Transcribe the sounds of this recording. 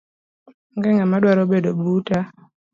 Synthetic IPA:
ŋɡɛŋamadwaɾobedobuta

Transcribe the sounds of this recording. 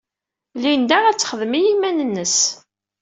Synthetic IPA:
lind̪æʁæt͡sːχəðəmijimænənːəs

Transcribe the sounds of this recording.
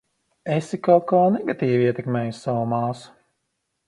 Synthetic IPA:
esikalˠkaːnɛɡat̪iːviiɛt̪ɛkmeːjusːavumaːsu̥

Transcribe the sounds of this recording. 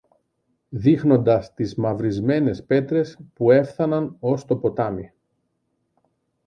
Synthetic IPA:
ðixno̞nd̪ɐst̪izmɐvɾizme̞ne̞spe̞t̪ɾe̞spue̞fθɐnɐno̞st̪o̞po̞t̪ɐmi

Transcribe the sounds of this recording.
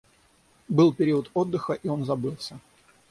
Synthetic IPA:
bɨlˠpʲɪɾʲiət̪o̞d̪ːɨxəʔio̞nzɐbɨlˠsʲə

